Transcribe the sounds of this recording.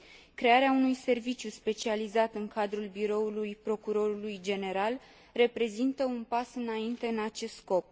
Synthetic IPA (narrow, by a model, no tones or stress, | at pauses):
kɾe̞aɾeaunujse̞rvit͡ʃjuspe̞t͡ʃializat̪ɨŋkad̪ɾulbiɾo̞ulujpɾo̞kuɾo̞ɾulujd͡ʒe̞ne̞ɾal | re̞pɾe̞zint̪əunpasɨnaint̪e̞ɨnat͡ʃe̞st̪sko̞p̚